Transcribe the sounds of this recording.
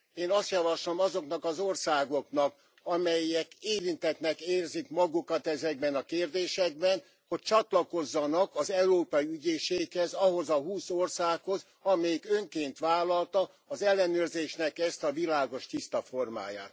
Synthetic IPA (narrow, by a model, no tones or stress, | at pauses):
eːnɒst̪jɒvɒʃlo̞mɒzo̞kn̪ɒkɒzorsaːɡo̞kn̪ɒk | ɒmɛjɛkeːɾint̪ɛt̪nɛkeːrzikmɒɡukɒt̪ɛzɛɡ̚bɛnɒkeːrd̪eːʃɛɡ̚bɛn | ho̞c̚t͡ʃɒt̪lɒko̞zːɒnɒkɒzɛuɾoːpɒiyɟeːʃeːkhɛzɒɦo̞zɒɦuːsorsaːkho̞z | ɒmɛjikøŋkeːnt̪ʋaːlːɒlt̪ɒ | ɒzɛlːɛnøːrzeːʃnɛkɛst̪ɒvilaːɡo̞ʃt̪ist̪ɒfo̞rma̰ːja̰ːt̪